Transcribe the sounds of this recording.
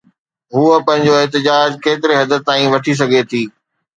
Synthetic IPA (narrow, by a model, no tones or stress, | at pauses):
ɦuəpɐ̃ɦɪ̃ɲd͡ʑoɪɦt̪̬ɪd͡ʑaːd͡ʑkeːt̪ɪɾeɦɐd̪ət̪̚t̪aːĩʋɐʈʰis̬ɐɡʱet̪ʰiː